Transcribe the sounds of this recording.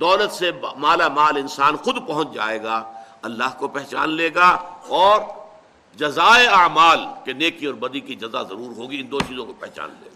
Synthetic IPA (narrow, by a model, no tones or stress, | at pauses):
d̪ɔːlət̪semaːlamaːlɪ̃nsaːnxʊd̪pɐɦʊ̃t͡ʃd͡ʒa̰ːeːɡa | ɐlːaːɦkopɛɦt͡ʃa̰ːnleːɡaɔːɾ | d͡ʒɐzaːeɐːmaːlkeneːkiɔːɾbɐd̪ikid͡ʒɐza̰zɐɾuːɾɦoːɡiɪ̃nd̪oːt͡ʃiːzõkopɛɦt͡ʃa̰ːnlḛːɡaː